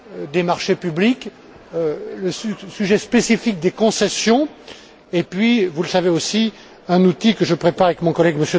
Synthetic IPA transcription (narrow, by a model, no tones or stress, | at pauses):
d̪emaʁʃepyblik | øləsysyʒɛspesifik̚d̪ekɔ̃sɛsjɔ̃ | epɥivuləsaveosi | ɛ̃nut̪ikəʒəpχepaʁavɛkmɔ̃kɔlɛɡməsjø